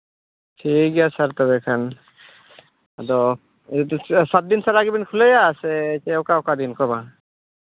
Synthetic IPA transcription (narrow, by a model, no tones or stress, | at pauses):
tʰikjasaɾt̪ɔbɛkʰan | ad̪ɔ | sat̪̚d̪insaɾaɡibinkʰuləjasɛt͡ʃɛɔkaɔkad̪inkɔba